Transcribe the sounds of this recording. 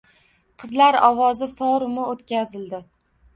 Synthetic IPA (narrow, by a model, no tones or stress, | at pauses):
qʰɨzlaɾɒwɒzɪfɒɾʊmɪot̪kʲazɪld̪ɪ